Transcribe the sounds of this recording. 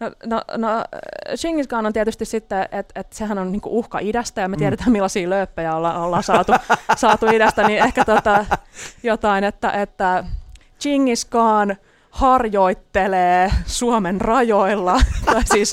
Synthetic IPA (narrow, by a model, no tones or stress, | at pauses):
nono̰not͡ʃiŋːiskɑːnont̪ieæt̪yst̪issit̪ːeet̪et̪sehænonniːŋkṵʔuhkɑ̰idæst̪æjɑmet̪iæɾæt̪æmmilːɑsiːløːpːøjæolːɑolːɑːnsɑːt̪usɑːt̪uidæst̪æniːnehkæt̪ot̪ɑjot̪ɑinet̪ːæ̰ʔet̪ːæ | t͡ʃiŋːiskɑːn | hɑrjoit̪ːeleːsuomenrɑjoilːɑt̪ɑisiːs